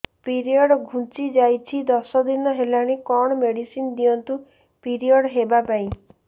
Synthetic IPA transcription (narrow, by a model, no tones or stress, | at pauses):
piɾiɔɽɔɡʱũt͡ʃid͡ʒajt͡ʃʰid̪ɔsɔd̪inɔɦelaɽ̃ikɔɽ̃ɔmeɽisind̪iɔnt̪u | piɾiɔɽɦebapaĩ